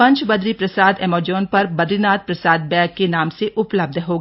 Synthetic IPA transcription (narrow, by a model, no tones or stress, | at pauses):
pɐ̃ɲt͡ʃbɐd̪ɾipɾɐsaːd̪ɛːmoːd͡ʒoːnpɐɾbɐd̪ɾinaːt̪̚pɾɐsaːd̪̚bɛ̃ːkːenaːmseʔʊpləb̚d̪ʱɦoːɡ